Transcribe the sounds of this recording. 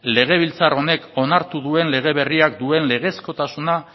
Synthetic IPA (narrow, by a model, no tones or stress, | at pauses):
le̞ɣ̞e̞β̞ilt͡saro̞ne̞ko̞naɾt̪uðue̞nle̞ɣ̞e̞βe̞riak̚d̪ue̞nle̞ɣ̞e̞sko̞t̪asuna